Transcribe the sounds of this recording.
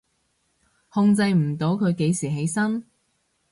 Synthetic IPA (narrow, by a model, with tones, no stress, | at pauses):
hʊ˧ŋt͡sɐ˧jm̩˨˩t̪o˨˥wkʰɵ˨˧ɥke˨˧jsiː˨˩ɦe˨˥jsɐ˥n